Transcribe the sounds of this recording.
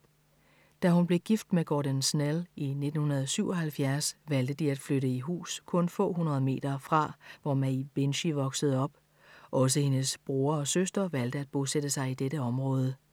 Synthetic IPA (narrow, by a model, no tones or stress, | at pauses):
d̥æɦunb̥le̝ɡ̥ifd̥meɡ̥ɒːɾænsneline̝d̥n̩hunɐð̞ˠɒsyʊɒ̽hælfjæɐsʋæld̥əd̥iæd̥fløɾəiɦṵːskʰɔ̽nfɔ̰̽ːɦunɐð̞ˠəme̝̰ːd̥ɐfʁɑ̈ʋɒmæib̥enɕiʋɒ̽ɡ̥səð̞ˠɒ̽b̥ | ʔɒ̽s̬əhe̝nəsb̥ʁuːɐɒ̽søsd̥ɐʋæl̰d̥əæd̥̚b̥o̝sed̥əsɑ̈ɪid̥eɾəɒ̽mʁɔ̽ːð̞ˠə